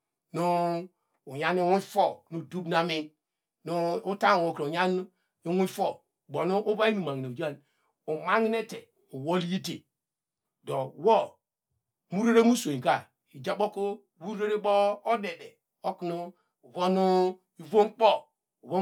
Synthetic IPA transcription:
nuː˦˨ | ja˦ni˦wu˦fo˦˨nu˨du˦bna˦mi˦n | nu˦u˦ta˦ŋ˨wo˨kɾo˨ja˦n˦ | i˦wu˦fo˦˨ | bo˨nu˦ʔu˦ba˦i˦mu˨ma˨ŋ˨n˨d͡ʒa˦˨n | u˨ma˦ŋi˦ne˦te˨ | u˨wo˦lji˦te˨ | do˨wo˦ | mu˦ɾe˦ɾe˦mu˦so˨ĩ˨ka˨ | i˨d͡ʒa˦bo˦ko˦˨ | wu˦ɾe˦ɾe˦bo˦o˦de˨de˨ | o˦kno˦ | u˨vo˦nu˦ | i˨vo˦m˦k͡pɔ˦˨ | u˨vo˦

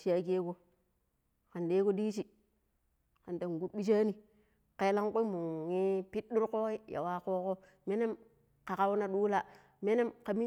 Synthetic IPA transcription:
t͡ʃi˨˦a˦ke˦ko˦ | ka˨nde˦ko˦di˦t͡ʃi˨ | ka˨n˨ta˨ŋ˨ɡu˦t̚ɓi˦t͡ʃ̬a˦ni˨ | ke˦la˦ŋko˦mu˨i˦pi˦t̚ɗu˦ɾko˦i˦ja̰˨wa˦ko˦ko˦ | me˦ne˦m | ka˨ka˦wna˦ɗu˦la˨ | me˦ne˦mka˨mi˦

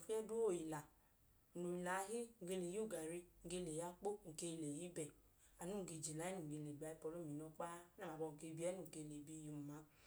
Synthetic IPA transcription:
fe˦du˦o˨i˨la˨ | nu˨i˨la˨˦ɦi˦ŋ̩˨ɡe˧le˨jo˦˨ɡa˨ɾi˧ŋ̩˨ɡe˧le˨ja˦k͡po˦ŋ̩˨ke˧le˨ji˦bɛ˨ | a˨nu˦ŋ˨ɡe˧˨d͡ʒi˨la˨˦i˦u˨ŋ̩˨ɡe˧le˨ɡ͡ba˨˦i˦pɔ˧lo˦˨mi˨nɔ˧k͡pa˦na˦˨a˨bɔ˧ŋ̩˨ke˧˦bi˦ɛ˦nu˦ŋ˨ke˧˨le˨bi˧˨ju˧˨m˨ma˨˦

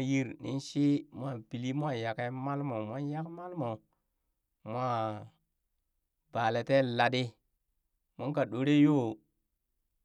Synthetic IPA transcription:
ji˦ɾnḭ˦nʃi˦mʷ˦a˦˨bi˨li˦mʷ˦a˦˨ja˨ka˦ma˦lmo˨mʷ˦a˦ja˦kma˦lmo˨ | mʷ˦a˦ | ba˨le˨te˦la˨di˦ | mo˦ŋka˨ɗo˨˦ɾe˦jo˦˨

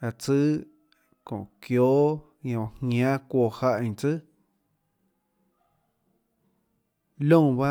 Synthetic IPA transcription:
a˧˨t͡sɨ˦ | kõ̰˨ʔkjo˦ʔ | jõ˧˨hɲã˦kʷo˧˨ha˧ʔt͡sɨ˦ | lõ˦˨ba˦

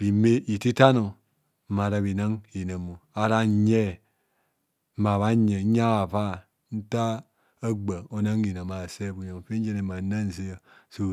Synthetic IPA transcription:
bi˨me˦ʔi˨ti˦ta˦no˨˦ | ma˨ɾa˨βi˨na˦ŋi˨na˨mu˨a˨ɾa˦ɲe˦ | ma˨βa˦ɲe˨˦a˦wa˨pa˦˨ | n̩˦ta˦ | a˦ɡ͡ba˨o˨na˦ŋi˨na˨ma˨se˦bu˨ɲa˨fe˦n˦d͡ʒe˦ne˨ma˨na˦n˨ze˦ja˨ | so˨

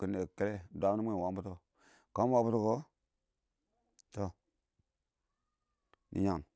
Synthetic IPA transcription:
ki˦nːe˨ke˦le˦˨dʷa˦m˦ni˦e˦˨wa˨˦m˦bu˦to˦ | ka˦wa˦bu˦to˦ko˦ | to˨ | nḭ˨˦ɲa˨ŋ

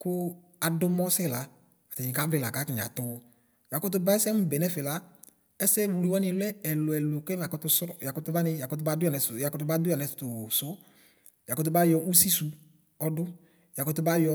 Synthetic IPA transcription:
kʊ˦ | a˨dʊ˦mɔ˦sɛ˦˨la˨˦ | a˨tɛ˨ɲĩ˨ka˨˦vlɪ˨la˨ka˨˦ki˨ɲ˨a̰˨tʊ˨˧ | ja˨kʊ˦t̬ʊ˦ba˦ɛ˦sɛ˦m̩˦bɛ˨nɛ˦fɪ˨la˨˦ | ɛ˦sɛ˦wu˨li˨wɔ˦nɪ̃˦lʊ˦ɛ˦ɛ˨lʊ˨ɛ˨lʊ˨kɛ˦m˨a˨kɔ˧˦tʊ˧sɾɔ˦ja˨kʊ˦tʊ˧ba˦nɪ˧ja˨kʊ˦t̬ʊ˧˦ba˦dʊ˦a˨nɛ˨sja˨kɔ˦tʊ˦ba˦dʊ˦a˨nɛ˨sʊ̥˨tʊ˨sʊ˦ | ja˨kɔ˦t̬ʊ˧˦ba˦jɔ˧u˦si˦su˨˦ | ɔ˧dʊ˦ | ja˨kɔ˦tʊ˦ba˦jɔ˧

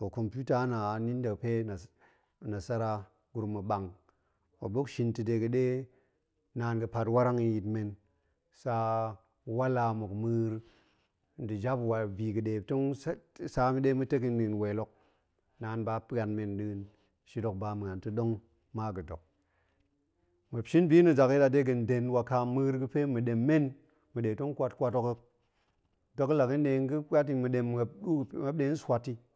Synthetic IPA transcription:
o˨ko˨mpʲu˦ta˦na˨ni˦n˦da˨pe˦na˨ | na˨sa˦ɾa˦ | ɡ̥u˨ɾma˨ɓa˨ŋ | wo̰˨bo˦kʃi˦ntɨ˨de˨˧ɡɨ˨ɗe˦ | naː˨nɡɨ˨pa˧twa˦ɾa˦ŋi˧ji˨tme˨n | sa˧ | wa˦la˧mo˨kmɨ˦ɾ | n˨dɨ˨d͡ʒa˦pwa˨vi˨ɡɨ˨ɗe˨to˦ŋ˦sa˧mi˦ɗe˦mɨ˦te˦k̬i˦ni˨nwe˨lo˦k̚ | na˨˦nba˦pa˨nme˨nɗɨ˦n | ʃi˦do˨k̚ba˨mɨ˨ŋa˨ntɨ˦ɗo˦ŋ | ma˦ɡɨ˨do̰˨k̚ | mə˨pʃi˦nbi˦nɨ˨d͡ʒa˨ki˦da˨de˦ɡɨ˨n˨de˨nwa˨ka˧mɨ˦ɾɡɨ˦pe˦mɨ˨ɗe˨mːe˦n | mɨ˨ɗe˨to˦ŋ˦kʷa˧tkʷa˧to˧kə˦k̚ | do˨kla˨ki˦n˦ɗe˨˦ŋ˦ɡɨ˦a˦t̬i˨ŋmɨ˨ɗe˨m˨a˨ɗu˦˨˦ma˦ɗe˨˦n̩˦swa˨tːi˦

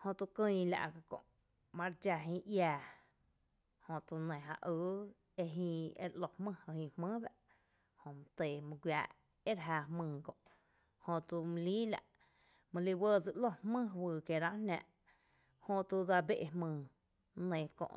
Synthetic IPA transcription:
hõ˧t̪u˧kɨ̃˧la̰˧ʔka˧kõ̰˨ʔ | mã˧ɾd͡ʒa˧ɦĩː˧ʔjaː˧˨ | hõ˧t̪u˧nẽ˨ɦã̰˧ʔɨː˧˦ | e˧ɦĩː˧ḛ˧ɾʔlo˧hmɨ̃˦˧hhĩ˧hmɨ̃ː˦ba˧ʔ | hõ˧˨m̃˧t̪eː˨mɨ̃˧ɡʷwjaː˧˨ʔ | e˦ɾɦaː˧hmɨ̃ː˧kõ̰˨ʔ | hõ˧t̪u˧m̃˧liː˦la̰˧ʔ | mə̃˧li˧wəː˧˨d͡zɨ˧ʔlo˦˧hmɨ̃˦wɨː˧˨ke˧˨ɾã˦nã˧ʔ | hõ˧t̪u˧d̪a˧be˦ʔe˧hmɨ̃ː˧˨ | nẽ˧˨kõ̰˧ʔ

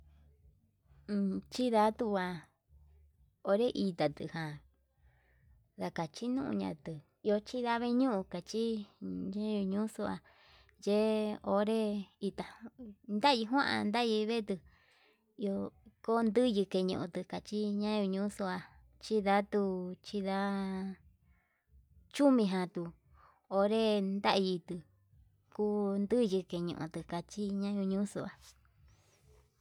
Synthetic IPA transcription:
t͡ʃi˦ða˧˦t̪u˧a˧ | o˧˦ɾe˦ʔi˧t̪a˨t̪ɨ̰˧˨hã˨ | ða˧ka˨t͡ʃi˦nũ˦ʔṵ̃˧ɲã̰˧t̪ɨ˨ | i˧o˧t͡ʃi˦ða˦βe˦ɲũ˦ʔũ˧ka˨t͡ʃi˦ɲã˦ju˧ɲũ˦so˧a˧ | je˦o˧ɾe˦i˧t̪a˨nd̪a˦˧i˧ɦw̃ã˦ʔa̰˧nd̪a˦˧ji˧βe˦˧t̪ɨ˧ | i˧o˧ko˦nd̪ɨ˦jɨ˧ke˧ɲṵ̃˧ʔõ˧t̪ɨ˧ka˨t͡ʃi˦ɲã˦ju˧ɲũ˦su˧a˧ | t͡ʃi˦ða˦t̪u˧t͡ʃi˦ða˧˦ | t͡ʃu˦mĩ˧ɦã˧t̪u˧ | o˧ɾe˦nd̪a˦ʔji˧t̪ɨ˧ | ku˦nd̪ɨ˦jɨ˧ke˧ɲṵ̃˧ʔõ̰˧t̪ɨ˧˨ka˨t͡ʃi˦ɲã˦ju˧ɲũ˦su˧ʔa˨

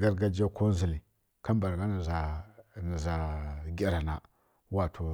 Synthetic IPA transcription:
ɡa˦ɾɡa˦d͡ʒa˦ko˦zi˨li˨ | ka˦mba˨ɾɡa˦n˨za˨ni˨za˨ɡʲa˦ɾa˨na˨ | wa˨tʰo˨

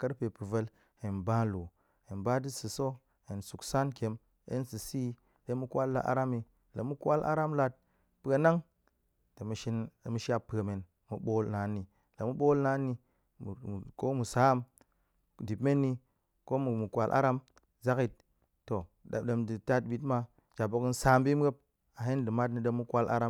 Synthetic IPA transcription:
kə˦ɾpe˨pɨ˨və˦l | he˨nba˦lo˨ | he˨nba˦di˦sɨ˨so˦ | he˨nsu˨ksa˦nke˨˦m | ḛ˦nsɨ˨si˦ | de˦mu˦kwa˦lːa̰˨˦ʔa̰˦ɾa˦mi˨ | lə̰˨mu˦kʷa˦lʔa̰˦ɾa˦mla˦t̚ | pɨ˨ɡa˨na˦ŋ | te˨mu˨ʃi˦n˨mu˦ʃa˦pːɨ˨e˨me˨n | mu˨ɓo˦lna˨˦nːi˨ | lə̰˨mu˦ɓo˦lna˦nːi˦ | m˨ko˦mu˨sa˨˦m | di˨bme˦nːi˦ | ko˦mu˨mu˨kwa˨lʔa̰˦ɾa˦m | za˦ki˨t̚ː | o˨ | də˨mdi˨ta˦t̚bi˨˦tma˦ | d͡ʒa˨bo˨kn̩˦saː˨˦mbi˦m˦ɡe˦p̚ | a˨ɦe˦ndɨ˨ma˦tnɨ˦də˧mu˦kʷa˦lʔa̰˦ɾa˦

